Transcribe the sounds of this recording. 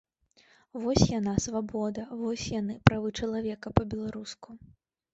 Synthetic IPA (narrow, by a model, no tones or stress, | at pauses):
vɔsʲjanasvabɔd̪ɐvɔsʲjanɨpɾavɨt͡ʂɐlˠavʲɛkɐpɐbʲɛlˠaɾusku